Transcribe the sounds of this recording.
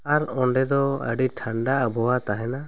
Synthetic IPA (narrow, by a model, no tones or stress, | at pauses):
aɾɔɳɖɛd̪ɔə̰ɖiʈʰaɳɖaʔabʱɔwat̪aɦɛna